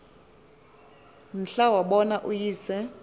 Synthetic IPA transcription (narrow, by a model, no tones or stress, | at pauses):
m̩ɬawaɓɔnaʔujiːsɛ